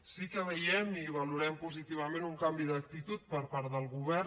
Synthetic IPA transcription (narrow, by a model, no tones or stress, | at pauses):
sikəβəjɛmiβəluɾɛmpuzit̪iβ̞əmẽnuŋkambiðək̚t̪it̪ut̪̚pəɾpaɾðəlˠɣuβɛ